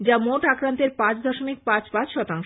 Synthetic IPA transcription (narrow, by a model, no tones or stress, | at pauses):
d͡ʑamoʈakɾant̪eɾpãt͡ɕd̪ʱɔʃomik̚pãt͡ɕpãt͡ɕʃɔt̪aŋʃ